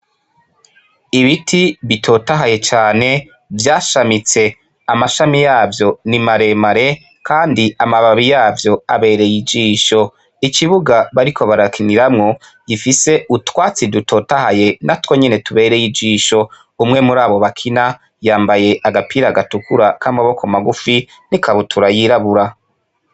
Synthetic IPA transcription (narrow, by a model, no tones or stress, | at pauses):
iβitʰiβitʰo̞ːtaɦaje̞t͡ʃaːne̞ | vjaːʃamit͡se̞ | amaʃamijaːvjo̞nimaɾe̞maɾe̞ | kʰaːndiamaβaβijaːvjo̞a̰βe̞ːɾe̞jid͡ʒiːʃo̞ | ikiβuɡaβaɾikʰo̞βaɾakʰiniɾamŋo̞ | ɟifise̞ʔutwaːt͡sidutʰo̞tahaje̞natwo̞ɲene̞tuβe̞ːɾe̞jid͡ʒiːʃo̞ | umŋe̞muɾaːβo̞βakʰina | jaːmbaje̞ʔaɡapʰiːɾaɡatukuɾakaːmbaβo̞komaɡufi | nikʰaβotʰuɾajiɾaβuɾa